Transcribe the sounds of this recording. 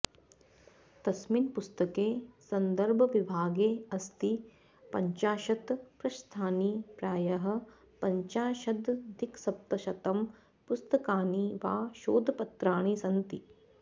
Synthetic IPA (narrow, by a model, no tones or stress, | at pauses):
t̪ɐsminpust̪ɐkeːsɐnd̪ɐɾbʱɐʋibʱaːɡeːɐst̪i | pɐɲt͡ʃaːʃɐt̪pɾɐʃt̪ʰaːnipɾaːjɐɦɐ̆ | pɐɲt͡ʃaːʃɐd̪d̪ʱiksɐp̚t̪ɐʃɐt̪ɐm | pust̪ɐkaːniʋaːʃoːd̪ʱɐpɐt̪ɾaːɳ̃isɐnt̪i